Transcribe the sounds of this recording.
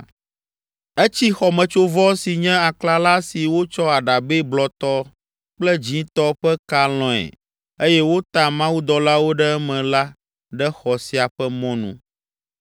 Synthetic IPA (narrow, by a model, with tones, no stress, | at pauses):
ɛ˦t͡ɕi˦xɔ˨mɛ̃˨t͡ʃo˦vɔ˦si˨ɲɛ̃˦a˨kla˦la˦si˨wo˦t͡ʃɔ˦a˨ɖa˨be˦blɔ˨t̪ɔ˦ | k͡plɛ˦d͡ʑĩ˦t̪ɔ˦ɸɛ˦ka˦l̃ɔ̃˨ɛ̰˨ | e˦jɛ˦wo˦t̪a˨mã˦wu˦d̪ɔ˨la˦wo˦ɖɛ˦ɛ˦mɛ̃˨la˦ | ɖɛ˦xɔ˨si˨a˨ɸɛ˦mɔ̃˦nṵ̃˦